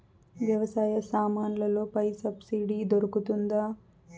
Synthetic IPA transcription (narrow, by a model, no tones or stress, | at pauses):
ʋjɐʋɐsaːjɐsaːmaːnlɐloːpɐjsɐbsiɖid̪oɾukut̪und̪a